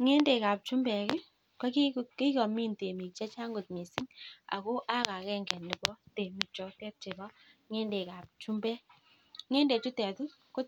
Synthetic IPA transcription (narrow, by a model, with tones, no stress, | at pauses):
ŋe˦nde˨ka˨p̚t͡ʃu˦mbɛ˨kɪ˦ | kɔ˦ki˦ki˦kɔ˨mi˦nte˨mi˨k̚t͡ʃɛ˦t͡ʃa˦ŋɡo˨t̚me˨sɪ˦ŋa̰˨ko˦ʔa˦ka˨kɛ˦ŋɡɛ˨nːɪ˨bɔ˦te˨mi˨k̚t͡ʃɔ˨tɛ˦t̚t͡ʃe˨bɔ˦ŋe˦nde˨ka˨p̚t͡ʃu˦mbɛ˦ | ŋe˦nde˨tu˦tɛ˨tu˦ | ko˦